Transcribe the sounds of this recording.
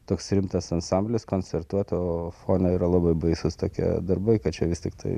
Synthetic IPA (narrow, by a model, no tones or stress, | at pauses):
t̪oːksɾʲɪmt̪ɐsɐnsɑmʲbʲlʲɪskonʲt͡sʲɛrt̪uɔt̪ʲoːfoːnʲoiːɾɐlˠɑbɐɪbɐɪsʊst̪oːkʲḭd̪ɐrbɐɪkɐtt͡ʃʲɛʋʲɪst̪ʲɪkt̪ʰɐɪ